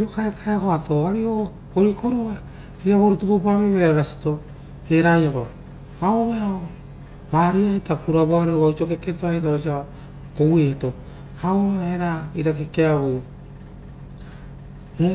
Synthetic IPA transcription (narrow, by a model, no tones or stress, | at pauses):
iɾokaekʰaeako̞ato̞aɾio | βoɾikoɾua | iɾaβoɾutupopaβeβeɾaɾasi̥to̞ | eɾajaβa | aoβeao | βaɾiaitakuɾaβoaɾeoβausiokeketoaetaosia | koweto̞ | haoβeaeɾaiɾakekeaβo | e